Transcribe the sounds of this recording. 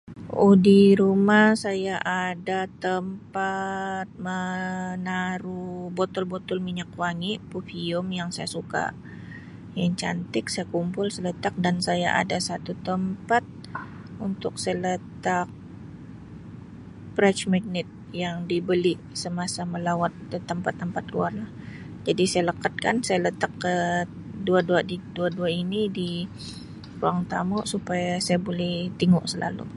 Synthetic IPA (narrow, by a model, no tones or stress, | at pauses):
ohdiɾumahsajaʔadat̪əmpat̪̚mənaɾubot̪ɔlbot̪ɔlmiɲakwaŋipufiʊmjaŋsajasuka̰ | jaŋt͡ʃa̰nt̪ɪksajakumpʊlsələt̪ak̚dansaja̰ʔa̰dasat̪ut̪əmpat̪̚ | unt̪ʊksələt̪ak̚ | bɾɛt͡ʃmaɡ̚nɪt̪̚jaŋdibəli | səmasaməlawat̪̚t̪əmpat̪ːəmpat̪̚lṵarlah | d͡ʒadisajaləkat̪̚ka̰nsajalət̪akːə | duaduadiduaduainidi | kuɾaŋt̪amʊʔsupajasajabolɛht̪iŋʊʔsəla̰lṵ